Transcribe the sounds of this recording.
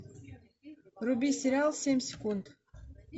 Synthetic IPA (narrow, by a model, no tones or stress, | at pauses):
rubʲisʲeɾʲalˠsʲemʲsʲekund̪